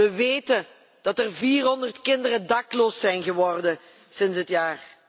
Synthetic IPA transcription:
əʋeːtə | d̥ɑtərviːrɦɔndərtkɪndərəndɑkloːsɛjnɣəʋɔrdən | sɪnsɦətjaːr

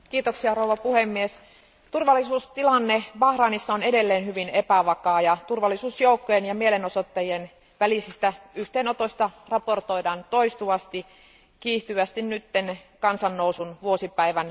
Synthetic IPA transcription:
kiːt̪oksiɑrouʋɑpuhemːies | t̪urʋɑlːisuːst̪ilɑnːeʋɑhrɑːnisːɑonedelːeːnhyʋinepæʋɑkɑːjɑt̪urʋɑlːˑisuːsjoukːojenjɑmielenosot̪ːɑjien | ʋælisist̪æyht̪eːnot̪osʲt̪ɑrɑport̪oidɑːnt̪oist̪uɑst̪i | kiːht̪yʋæst̪innyt̪ːenkɑnsɑnːousunʋuosipæiʋæn

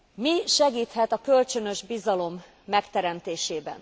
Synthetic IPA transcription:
miʃɛɡiːt̪hɛt̪ɒkø̞lt͡ʃø̞nøʒbizɒlo̞mː | ɛkt̪ɛɾɛmt̪eːʃeːbɛ̰n

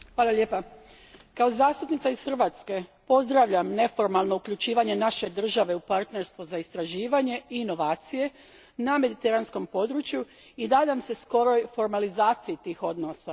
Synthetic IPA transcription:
hʋaːlalʎeːpa | kao̞zaːst̪upnit̪aisxrʋat̪ske̞po̞zd̪ɾaʋʎamne̞fo̞ɾmalˠno̞ukʎut͡ʃiːʋaɲe̞naʃe̞d̪r̩ʒaʋe̞upaɾt̪ne̞ɾst̪ʋuzaist̪ɾaʒiːʋaɲe̞iːno̞ʋaːt̪sije̞ | name̞d̪it̪eɾansko̞mpo̞d̪ɾut͡ʃju | id̪aːd̪amse̞sko̞ɾo̞jfo̞ɾmalizaːt̪sijit̪iːxo̞d̪nosa

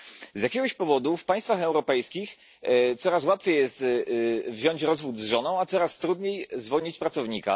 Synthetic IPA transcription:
zʲjakʲɛɡɔɕpɔvɔd̪ufpajst̪faxɛwɾɔpɛjskʲix | t̪sɔɾaswat̪fʲjejɛst̪vʑɔɲt͡ɕɾɔzvud̪zʐɔnɔ̃w̃at̪sɔɾast̪ɾud̪ɲejzvɔɲit͡ɕpɾat̪sɔvɲika̰

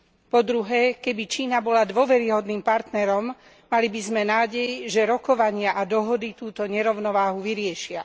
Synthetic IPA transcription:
pɔd̪ɾuɦɛːkɛbit͡ʃiːnabɔlad̪ʋɔʋɛɾiɦɔd̪niːmpaɾt̪nɛɾɔmː | alibizmɛnaːɟɛjʒɛɾɔkɔʋaɲɪaʔad̪ɔɦɔd̪it̪uːt̪ɔɲɛɾɔʊnɔʋaːɦuʋiɾɪɛʃɪa

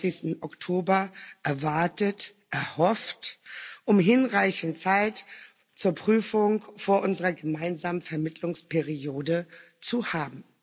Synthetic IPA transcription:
sɪçstn̩ʔɔktʰoːbɐʔɛɐvaɐtət | ʔɛɐhɔftʔʊmɦɪnʁaɪçn̩t͡saɪt | t͡suːɐpʁ̥yːfʊŋfoːɐʔʊnzəʁɐɡəmaɪnzaːmənfɛɐmɪtʰlʊŋspʰɛʁijoːdə | t͡suhaːbm̩

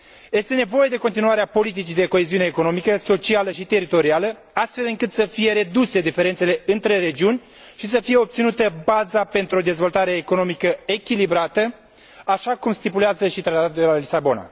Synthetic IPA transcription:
je̞st̪e̞ne̞vo̞je̞d̪eko̞nt̪̬inuaɾeapo̞lit̪̬it͡ʃid̪e̞ko̞eziuneːko̞no̞mikəso̞t͡ʃialəʃit̪e̞ɾit̪o̞ɾialə | ast̪fe̞lɨŋkɨt̪səfije̞ɾe̞d̪use̞d̪ife̞ɾent̪sele̞ɨnt̪ɾe̞ɾe̞d͡ʒiunʲ | ʃis̬əfije̞o̞p̚t̪sinut̪əbazape̞nt̪ɾuod̪e̞zvo̞lt̪aɾe̞ːko̞no̞mikəe̞kʲilibɾat̪ə | aʃakumst̪ipuleazəʃit̪ɾat̪at̪ud̪elalisabo̞na̰

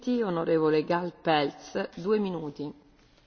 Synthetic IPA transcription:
t̪ionoɾeːvoleɡalpɛlsd̪uːeminuːt̪i

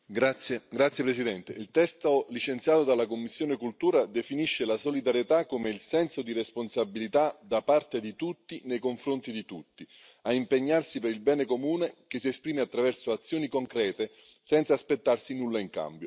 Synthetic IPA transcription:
ɡat̪sjeɡɾat̪sːjepɾesid̪ɛnt̪eilt̪ɛst̪olit͡ʃent̪sjaːt̪od̪alakomːisːjoːnekult̪uːɾad̪efiniʃːelasolid̪aɾjet̪akːomeilsɛnsod̪iɾesponsabilit̪ad̪apart̪ed̪it̪ut̪ːinejkoɱfɾont̪id̪it̪ut̪ːi | aimpeɲːarsipeɾilbɛːnekomuːnekesiespɾiːmeat̪ːɾavɛrsoat̪sːjoːnikoŋkɾɛːt̪e | sɛnt̪saːspet̪ːarsinulːaiŋka̰mbjo

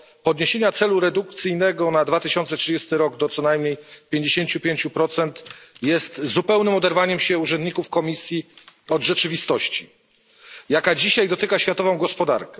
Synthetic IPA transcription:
pɔd̪ɲeɕeɲat̪sɛluɾɛd̪uk̚t̪sɘjnɛɡɔnad̪vat̪ɘɕɔnt̪sɛtʂɨd͡ʑɛst̪ɘɾɔɡd̪ɔt̪sɔnajmɲejpʲjeɲd͡ʑeɕeɲt͡ɕupʲjeɲt͡ɕupɾɔt̪sɛnt̪jɛst̪zupɛwnɘmɔd̪ɛɾvaɲɛmɕɛuʐɛnd̪ɲikufkɔmʲisʲjiɔd̪ʐɛt͡ʂɘvʲist̪ɔɕt͡ɕi | jakad͡ʑiɕajd̪ɔt̪ɘkaɕfʲjat̪ɔvɔ̃w̃ɡɔspɔd̪a̰ɾkɛ

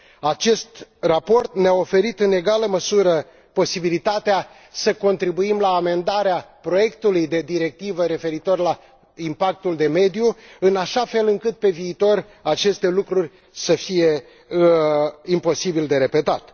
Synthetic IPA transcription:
at͡ʃe̞st̪rapo̞rt̪neao̞fe̞ɾit̪ɨne̞ɡaləməsuɾə | po̞sibilit̪at̪ea | səko̞nt̪ɾibuimlaːme̞nd̪aɾeapɾo̞je̞kt̪ulujd̪e̞d̪iɾe̞k̚t̪ivəɾe̞fe̞ɾit̪o̞rla | impak̚t̪uld̪e̞me̞d̪ijuɨnaʃafe̞lɨŋkɨt̪̚pe̞viːt̪o̞r | at͡ʃe̞st̪e̞lukɾurʲ | səfije̞ | impo̞sibild̪e̞ɾe̞pe̞t̪at̪

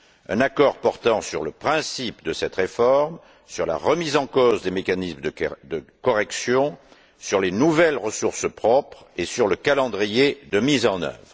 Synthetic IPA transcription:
ɛ̰̃nakɔʁpɔʁt̪ɑ̃syʁləpχɛ̃sipd̪əsɛt̪ʁefɔʁm | syʁla̰ʁəmizɑ̃kozd̪emekanismd̪əd̪əkɔʁɛksjɔ̃ | syʁlenuvɛlʁəsuʁspχɔpχ | esyʁləkalɑ̃d̪ʁijed̪əmizɑ̃nœ̰vʁ

